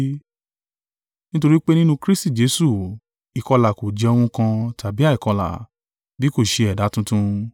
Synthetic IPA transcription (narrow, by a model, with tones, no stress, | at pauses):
nĩ˦to˧ɾi˦k͡pe˦nĩ˦nũ˦kɾi˦sti˦˨d͡ʒe˨˦su˦˨ | i˨kɔ˧la˨ko˨d͡ʒɛ˧o˧w̃ũ˧kã˧tʰa˨bi˦a˦˨i˨kɔ˧la̰˨ | bi˨˦ko˦˨ʃe˧ɛ˨da˨˦tũ˦tũ˧